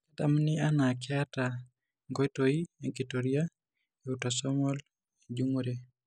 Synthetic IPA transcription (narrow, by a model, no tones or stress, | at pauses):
adamnɪanakɛata | ŋɡotoieɡitoɾia | eutɔsɔmɔl | ed͡ʒuŋoɾe